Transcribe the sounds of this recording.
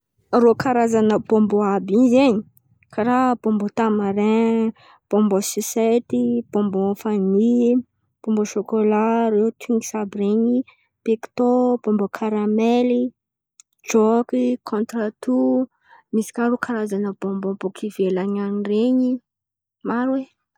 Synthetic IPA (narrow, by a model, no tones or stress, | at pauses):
rokaɾazanəbomboabizeɲi | kʰaɾab̥ombot̪amaɾẽ | b̥ɔ̃mbosiset̪ib̥õmbofani | b̥õmboʃokolaɾewt̪ʰiŋɡisabiɾeɲi | pekt̪ob̥ɔmbokʰaɾameli | d͡ʒokikʰɔ̃nt̪ɾat̪u | misi̥kʲaɾukʰaɾazanəb̥ombombokʰivelaɲanireɲi | maɾwe